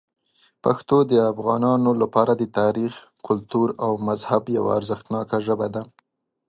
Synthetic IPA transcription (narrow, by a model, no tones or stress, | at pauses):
paxt̪od̪əafɣɑnɑnolapɑɾad̪ət̪ɑɾix | kʊlt̪uɾawmazhabja̰wa̰ːɾzəxt̪nɑkaʒəbad̪a